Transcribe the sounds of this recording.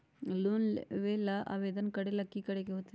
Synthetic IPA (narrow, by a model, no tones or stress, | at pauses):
lunʋelɐʔɐ̰ʋed̪ɐnkɐɽelɐkːikɐɽeɡeɦot̪ː